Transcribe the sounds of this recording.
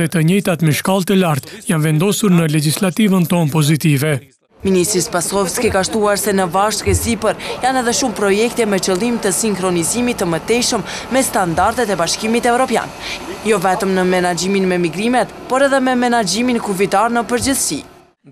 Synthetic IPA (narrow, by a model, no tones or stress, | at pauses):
ɛt̪əɲɛjt̪at̪mɛʃkalˠt̪əlaɾt̪janvɛnd̪ɔsuɾnəlɛd͡ʒislat̪ivənt̪ɔnpɔzit̪ivɛ | minist̪ɾispasɔfskikaʃt̪uaɾsɛnəvaʃkɛsipəɾjanɛðɛʃumpɾɔjɛk̚t̪ɛmɛt͡ʃəlˠimt̪əsiŋkɾɔnizimit̪ːəmət̪ɛʃəmːɛst̪and̪aɾt̪ɛt̪ɛbaʃkimit̪ɛvɾɔpja̰njɔvɛt̪əmnəmɛnad͡ʑiminmɛmiɡɾimɛt̪pɔɾɛðɛmɛmɛnad͡ʑiminkufit̪aɾnəpəɾd͡ʑəθsḭ